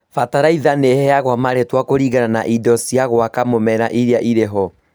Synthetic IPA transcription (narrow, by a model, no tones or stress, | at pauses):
fataɾaiðanehɛjaɣwamaɾetwakoɾiɣanana̰ʔidɔsiaɣwakamomɛɾaʔiɾeaʔiɾeɦɔ